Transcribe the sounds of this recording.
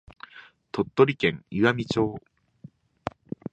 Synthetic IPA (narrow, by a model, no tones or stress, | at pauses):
t̪o̞t̪ːo̞ɾʲikẽ̞ŋiɡamʲit͡ɕo̞ː